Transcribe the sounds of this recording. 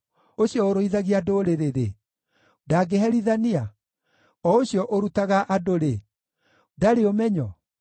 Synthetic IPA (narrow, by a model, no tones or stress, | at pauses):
oɕjɔoɾoiðaɣiadoɾeɾeɾḛ | daɡeɦɛɾiðania | ɔoɕijɔʔoɾutaɣaʔadoɾe | daɾeomɛɲɔ